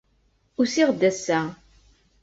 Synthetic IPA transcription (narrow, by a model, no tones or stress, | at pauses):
ʊɾsiʁd̪ːæsːæ